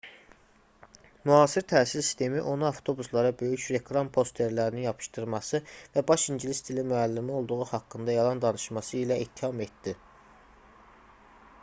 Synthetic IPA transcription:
myɦɑːsiɾt̪ʰæːsilsi̥st̪ʰe̞miʔo̞nɑɑft̪ʰo̞buslˠɑɾɑbø̞jycɾe̞kʰlˠɑmpʰo̞st̪ʰe̞ɾlæɾininjɑpʰɯ̥ʃt̪ɯɾmɑsɯvæbɑʃiɲɟlist̪ʰilimyælːimio̞lˠd̪uɣuhɑkːɯnd̪ɑjɑlˠɑnd̪ɑnɯʃmɑsɯilæit̪ʰːihɑme̞t̪d̪i

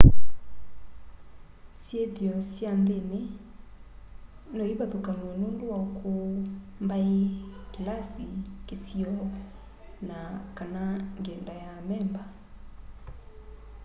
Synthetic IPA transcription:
sjeðjɔsjandene | nojibaðukanɛnonduaokʰombaekilasikesiɔ | nakanaŋɡɛndajamɛmba

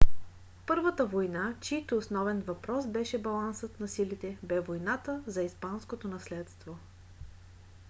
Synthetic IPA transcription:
pɤɾvət̪əvojnat͡ʃit̪oːsnɔvɛnvɐpɾɔsbɛʃɛbɐlˠansət̪nɐsilit̪ɛbɛvojnat̪əzɐispanskot̪onɐslɛt̪st̪vo

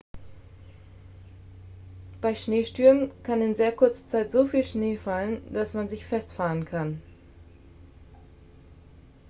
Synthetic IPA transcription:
b̥aɪʃneːʃtyɐənkʰanɪnzeːɐkʰʊɐt͡sə̥t͡saɪtz̥oːfiːlʃneːfalənd̥asmanzɪçfɛstfaːʁənkʰan

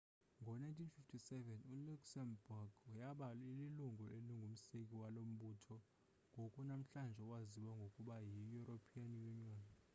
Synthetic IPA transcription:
ŋɡʱɔnajntʰʼinfiftʰisɛvɛnuluksɛmbuɡ̥ujaɓalililuŋɡʱɔeliŋɡʱum̩sekʼiwalom̩ɓuːtʰɔ | ŋɡʱokʼunam̩ɬand͡ʒʱɛwaziwaŋɡʱokʼuɓajijuropʰianijuŋ͡ǀaːnɛ

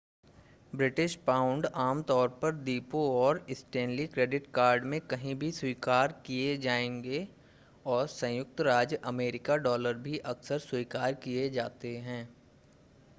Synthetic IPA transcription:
bɾɪʈɪʃpãːʊ̃ɳɖaːmt̪ɔːɾpɐɾd̪iːpoɔːɾɪsʈẽːnlikɾeːɖɪʈkaːɾɖmẽkɐɦĩbʱiswiːkaːɾkied͡ʒaːẽːŋɡe | ɔːɾsɐ̃jʊk̚t̪ɾaːd͡ʒʔɐmeːɾɪkaɖɔːləɾbʱiʔɐksəɾswiːkaːɾkied͡ʒaːt̪eɦɛ̃ː

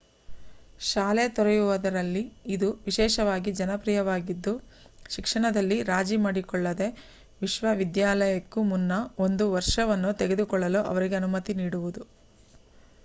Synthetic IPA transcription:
ʃaːlet̪ɔɾɐjuʋɐd̪ɐɾɐlːiːd̪uʋiʃɛːʃɐʋaːɡid͡ʒɐnɐpɾijɐʋaːɡid̪ːu | ʃikʂɐɳɐd̪ɐlːiɾaːd͡ʒimaːɽikɔɭːɐd̪e̞ | ʋiʃʋɐʋid̪jaːlɐjɐkːumunːɐo̞nd̪uʋɐɾʂɐʋɐnːut̪eɡe̞d̪ukɔɭːɐloːʔɐ̰ʋɐɾiɡe̞ɐnumɐt̪iniːɽuʋud̪u

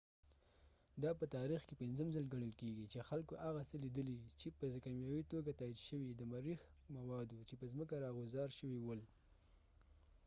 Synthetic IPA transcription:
d̪ɑpət̪ɑɾixkepɪnzəmzalɡaɽ̃əlkeɡit͡ʃexalkoʔaɣasəlid̪əlit͡ʃepəzkamjɑwit̪oɡat̪ɑid̪ʃəwid̪əmaɾixmawɑd̪ot͡ʃepəzməkaɾɑɣʊzɑɾʃəwiwəl

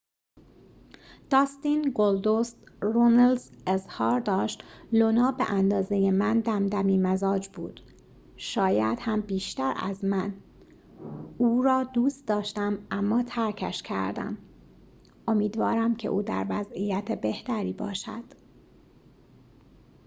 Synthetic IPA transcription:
d̪̥ɒːst̪inɡold̪ost̪ɾonelzezhɒːɾd̪ɒːʃt̪lonɒːbḛʔænd̪ɒːzejemænd̪æmd̪æmiːmæzɒːd͡ʒbṵːd̪̥ | ʃɒːjæ̰d̪̥hæmbiːʃt̪æɾæ̰zmæn | uːɾɒːd̪uːst̪d̪ɒːʃt̪æmʔæmːɒːt̪ʰæɾkʰæʃcʰæ̰ɾd̪æ̰m | ʔo̞miːd̪vɒːɾæmcʰe̞̰ʔuːd̪æ̰ɾvæzijæt̪ʰebe̞ht̪æɾiːbɒ̰ːʃæ̰d̪̥

